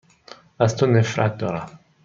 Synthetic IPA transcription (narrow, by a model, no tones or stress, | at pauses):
ast̪unefɾa̰t̪oɾa